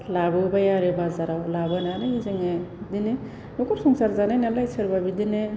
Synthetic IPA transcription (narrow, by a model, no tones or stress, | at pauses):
labɯbajaɾɯbazaɾawlabɯnanɯjezeŋedine | nɔkɔɾsɔŋsaɾzananalajsʰɯɾbabidine